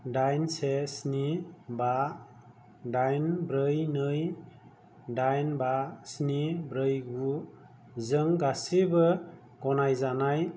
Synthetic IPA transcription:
dajnsesniba | dajnbɾɯjnɯj | dajnbasnibɾɯjɡu | zɯŋɡasibɯ | ɡ̥ɔnajzanaj

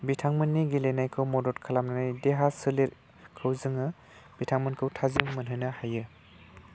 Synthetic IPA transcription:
bitʰaŋmɯnːiɡilenajkʰɯwmɔdɔtkʰalamnanajdeɦasɯleɾ | kʰɯwzɯŋɯ | b̥itʰaŋmɯnkʰɯwtʰazimmɯnɦɯnɯhajɯ

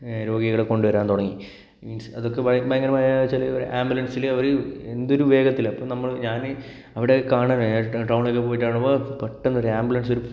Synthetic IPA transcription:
ɾo̞ːɡiɣɐɭeko̞ɳɖɨʋɐɾaːnt̪oɽɐŋːi | insɐðo̞kːebɐbɐjɐŋːɐnɐmajt͡ɕːeliɾʔaːmbulɐnsilɐʋɐɾɨend̪o̞ɾuʋe̞ːɡɐt̪ːilɐpːoːnɐmːɐɭɲaːn | ɐʋiɽekaːɳaːnʈrɐwɳokːep̬o̞ːjiʈːaːɳopːopeʈːenːuoɾaːmbulɐnso̞ɾu

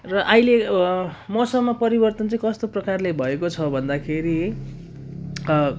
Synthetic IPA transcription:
rʌʔaile | mʌsʌmːʌpʌɾibʌrt̪ʌnt͡sʌĩkʌst̪oprʌkarlebʱʌekot͡sʰʌbʱʌnd̪akʰeɾi

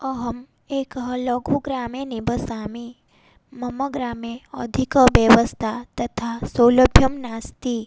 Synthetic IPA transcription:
ɔɦɐm | eːkɦlɔɡoɡɾaːmenibəsaːmi | mɐməɡɾaːmẽə̰d̪ʱikəʋjeʋəst̪ʰat̪ɐt̪ʰasoːləbʱjəmnaːst̪i

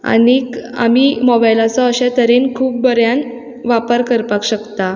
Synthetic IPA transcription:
a̰nika̰miːmɔbajlat͡sɔəɕat̪əɾenkʰuːp̚bəɾjan | ʋapəɾkəɾpakɕəkt̪a

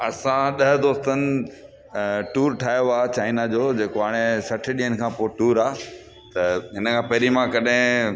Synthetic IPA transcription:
ɐsãɗɐɦd̪oːst̪ənɪ̆ | ʈuːɾʈʰaːjoaːt͡ɕaːɪnad͡ʑoːd͡ʑeːkoɦaːɽ̃esɐʈʰɗijənɪ̆kʰãːpoːʈuːɾaː | t̪ɐɦɪnəkʰãːpɐɦɾimãkɐɗɦɪ̃

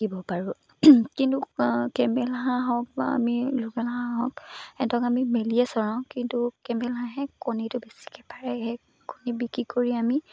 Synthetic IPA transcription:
kibɔpaɹʊ | kintukɛmɛlaɦãɦɔk̚ba̰a̰miluɡalaɦãɦɔkɛtɔkamimeliɛsɔɹãʊ̃kintukɛmɛlɦãɦɛkonitʊbesi̥kʰɛpʰaɹɛhɛ | konibikɹikoɹiami

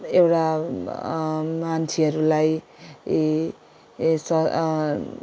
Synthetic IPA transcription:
ewʈa | mant͡sʰiʌɾulaj | sʌ

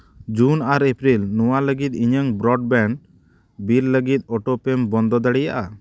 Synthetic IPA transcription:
d͡ʒunaɾepɾilnɔwaləɡit̪̚iɲəŋbɾɔɖbɛɳ | billəɡit̪̚ɔʈɔpɛmbɔnd̪ɔd̪aɽɛjaʔa

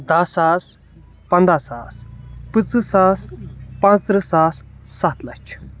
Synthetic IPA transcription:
d̪ɐsaːs | pɐnd̪asaːspɨt͡sɨsaːspɐ̃nt͡st̪ɾɨsaːssɐt̪lɐt͡ʃʰ

